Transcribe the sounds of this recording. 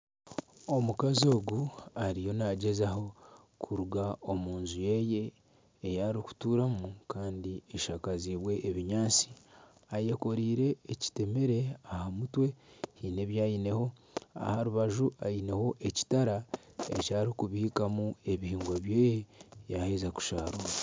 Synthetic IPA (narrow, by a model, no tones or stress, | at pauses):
o̞mukazio̞ːɡuaɾijo̞naɟe̞zaho̞ | kʰuɾuɡao̞muːnzuje̞je̞ː | jaɾiku̥tuɾamukaːndieʃakaziβwe̞ʔːβiɲaːt͡si̥ | aje̞ko̞ɾiːɾe̞ːci̥te̞meɾe̞ahamutwe̞hine̞βjaːjine̞ho̞ | a̰haɾuβaʒuajine̞ho̞ʔe̞ci̥taɾaḛcaːɾikuβihikamue̞βihiːŋɡwaβjeːjejahezaku̥ʃaːɾa